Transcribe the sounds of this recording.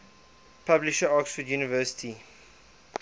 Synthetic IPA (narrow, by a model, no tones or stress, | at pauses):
pʰablɪʃəɔksfədjuːnivɜsɪ̥tʰi